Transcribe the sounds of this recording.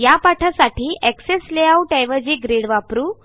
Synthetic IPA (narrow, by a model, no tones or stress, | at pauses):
japaʈʰasaʈiːʔɛksesleauʈejʋəd͡ʑiɡɾeɽʋapɾuː